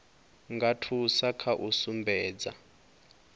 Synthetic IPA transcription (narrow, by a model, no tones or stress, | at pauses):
ŋɡatʰusakʰaʔusumbɛːd͡za̰